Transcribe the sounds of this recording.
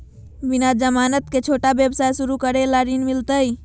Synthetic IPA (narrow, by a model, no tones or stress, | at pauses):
binad͡ʒəmanət̪ket͡ʃʰoʈabjəbsajsuɾukəɾelaɾinmilt̪əj